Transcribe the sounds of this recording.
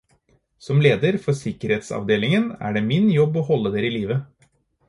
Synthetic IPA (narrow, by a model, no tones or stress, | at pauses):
sɔmleːd̪əɾfɔɾsɪkəɾeːt̪sɑ̰ʋd̪eːlɪŋənæ̰ːɖemɪnjɔbːohɔlːəd̪eːɾɪliːʋə